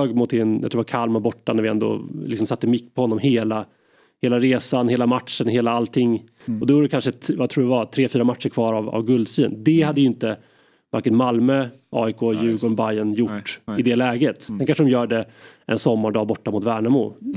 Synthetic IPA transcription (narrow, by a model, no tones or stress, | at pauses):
øːɡmʊt̪ɛnjɑ̰t̪ʰɾuːɾvakʰalmabɔʈːanæɾvɪɛnd̪ɔ̰lɪksɔmsat̪ːəmɪkːpʰɔhɔnːɔmheːla | heːlaɾeːsanheːlamat̪ʂənɦeːlaalt̪ʰɪŋː | ɔd̪ɛvuːɾɛkʰanʂəvat̪ʰɾuːɖɛvat̪ʰɾeːfyːɾamat̪ʂəɾkʰvɑːɾava̰vɡɵld̪syːnd̪ɛhad̪ːəjʏɪnt̪ə | va̰ɾkənmalmø | ʔɑ̰ːɪkʰoːjʉ̟ːɡɔɳbajənjʊʈːɪd̪ɛlɛːɡət̪d̪ɛnkanʂəɖɔmjœːɖɛʔɛ̰nsɔmːaɖɑːbɔʈːamʊt̪væːɳamṵː